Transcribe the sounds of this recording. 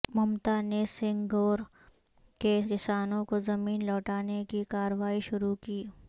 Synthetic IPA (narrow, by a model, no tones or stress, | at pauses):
mɐmt̪anesɪ̃ŋɡoːɾ | kekɪsaːnõkozɐmiːnlɔːʈaːnekikaːɾəʋaːiʃʊɾukiː